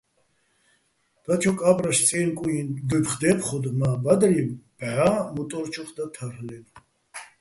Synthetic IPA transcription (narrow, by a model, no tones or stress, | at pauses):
d̪̥at͡ʃʰɔkʼapʼɾaʃt͡sʼɛnkʼujind̪upχd̪ɛpʰχɔd̪mabad̪ɾib̥ʕamut̪ʼɔɾt͡ʃʰɔχd̪at̪ʰaɾlɛn